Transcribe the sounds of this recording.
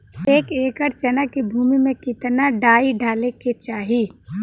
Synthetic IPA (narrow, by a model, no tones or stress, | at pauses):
eːkeːkəɾt͡ʃɐnakibʱuːmimẽkɪt̪naɖaːiɖʱaːleket͡ʃaːɦi